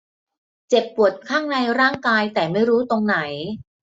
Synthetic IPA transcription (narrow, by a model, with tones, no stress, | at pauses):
t͡ɕe˨˩pːu˨˩ət̪̚kʰaː˥˩ŋna˧jɾaː˥˩ŋkaː˧jt̪ɛː˨˩ma˥˩jɾuː˦˥t̪o˧ŋna˩˦j